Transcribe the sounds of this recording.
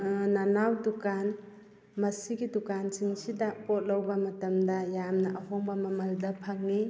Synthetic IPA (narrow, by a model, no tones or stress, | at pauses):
nɐnawdukan | mɐsiɡidukansiŋsidɐpot̚lɐwbɐmɐtɐmdɐjamnɐʔɐɦoŋbɐmɐmɐldɐpʰaŋni